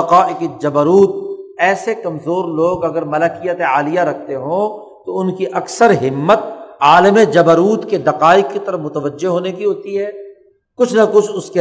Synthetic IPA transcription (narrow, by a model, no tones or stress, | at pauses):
ɐqaːʔɪkɪd͡ʒɐbəɾuːt̪̚ɛːsekɐmzoːɾloːɡɐɡəɾmɐləkijət̪eaːlijaɾɐk̚ʰt̪eɦõː | t̪oʊnkiʔɐksəɾɦɪmːət̪̚aːləmed͡ʒɐbəɾuːt̪ked̪ɐqaːɪkːit̪ɐɾəfmʊt̪əʋəd͡ʒːeɦoːnekiɦoːt̪iɦɛː | kʊt͡ʃʰnɐkʊt͡ʃʰʊske